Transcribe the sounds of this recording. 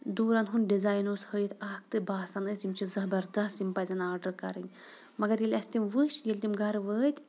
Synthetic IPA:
d̪uːɾɐnɦunɖizaːjnoːshəjt̪ʰaːkt̪ɨbaːsanəsjimʲt͡ʃʰizɐbɐɾd̪ɐst̪jimpɐzʲɐnaːɾɖəkɐɾɨnʲ | mɐɡɐɾjilʲɐst̪imʋɨʃjelʲt̪imɡɐɾʋəːt̪ʲ

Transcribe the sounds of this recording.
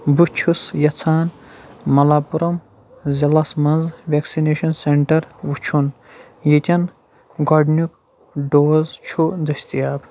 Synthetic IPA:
but͡ʃʰusjɐt͡sʰaːnmɐlaːpuɾɐm | zɐlɐsmɐnzʋʲeksineːʃɐnseɳʈɐɾʋut͡ʃʰun | jit̪ʲɐn | ɡɐɖnuk | ɖoːzt͡ʃʰud̪ɐsʲt̪ijaːb

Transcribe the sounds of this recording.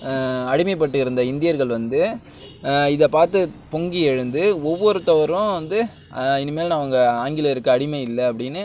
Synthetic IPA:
ɐɽɪmɐɪp̬ːɐʈːɯɪɾɯnd̪ɐɪnd̪ɪjɐɾɣɐɭʋɐnd̪ɯ | ɪðɐpaːɾt̪ɯpɔŋɡiɛɻɯnd̪ɯɔʋːɔɾɯt̪ɐʋɐɾʊ̃ʋɐnd̪ɯ | ɪnːɯmeːlnaːʋɐŋɡɐaːŋɡɪlɐɪɾɯkːɯɐɽɪmɐɪlːɐɐpːɐɽɪnːɯ

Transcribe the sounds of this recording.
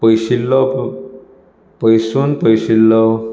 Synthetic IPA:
pəjɕilːɔ | pəjsuːnpəjɕilːɔ

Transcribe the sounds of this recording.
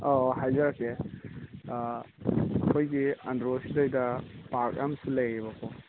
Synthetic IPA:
ohajzɐɾake | ɐkʰojɡiɐndɾosidojdɐpak̚a̰msulɐjiβakʰo

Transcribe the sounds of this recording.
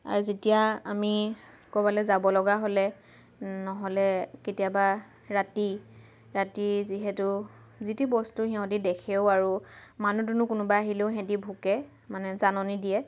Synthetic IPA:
a̰ɹuzetijaami | kɔbalɛzabɔlɔɡaɦolɛ | nɔɦɔlɛketijaba | ɹati | ɹatiziɦɛtʊ | zitibɔstuɦĩɦɔ̃didɛkʰeʊaɹumanudunʊkʊnʊbaaɦileʊɦɛ̃dibʱukɛ | manɛzanɔnidiɛ

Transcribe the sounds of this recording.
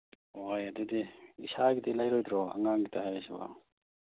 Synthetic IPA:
ojadediisaɡidilajɾɔjd̪ɾɔa̰ŋaŋɡitʰaɦajsba̰

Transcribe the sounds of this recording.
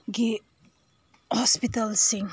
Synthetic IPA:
ɡi | hɔspitəlsiŋ

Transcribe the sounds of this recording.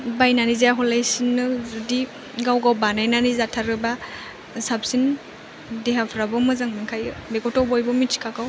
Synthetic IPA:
bajnanizejaɦɔlajsinːɯzudi | ɡawɡawbanajnanizatʰaɾɯba | sap̚sin | deɦapʰɾabɔmɯzaŋmiŋkʰajɯbekɔtɔbojbɔmii̥kʰakaw

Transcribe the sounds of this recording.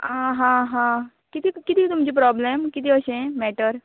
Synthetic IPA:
ãɦãɦã | kɪt̪ikit̪iit̪umd͡ʒip̬ɾɔːblemkit̪iəʃẽmɛːʈəɾ

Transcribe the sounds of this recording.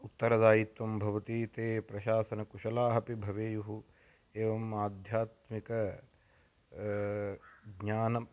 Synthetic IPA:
ut̪ːɐɾɐd̪aːjit̪ʋɐmbʱɐʋɐt̪it̪eːpɾɐʃaːsɐnɐkuʃɐlaːɦɐpibʱɐʋeːjuɦu | eːʋɐmaːd̪ʱjaːt̪mikɐ | ɡɲaːnɐ

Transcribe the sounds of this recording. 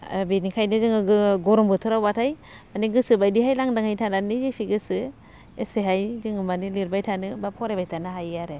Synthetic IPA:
benikʰajnɯzɯŋɯɡɯɡɔɾɔmbɯtʰɯɾawbatʰaj | maniɡɯsɯbajdiɦajlaŋdaŋhajtʰananizesiɡɯsɯ | eseɦajzɯŋɯmaniliɾbajtʰanɯbapʰɔɾebajtanaɦajaɾe

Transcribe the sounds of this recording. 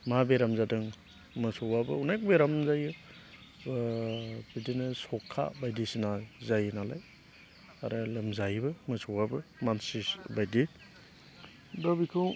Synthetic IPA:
mabeɾamzadɯŋ | mɯsɔwabɯunajk̚beɾamzajɯ | b̥idinɯsɔkʰːa̰bajdisinazajnalaj | a̰ɾɯlɯmzajbɯmɯsɔwabɯmansisbajdi | dɔbikʰɯw

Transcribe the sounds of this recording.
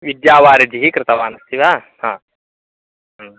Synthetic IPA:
ʋid̪jaːʋaːɾid͡ʒiɦikɾɪt̪ɐʋaːnɐst̪iʋa | hãː

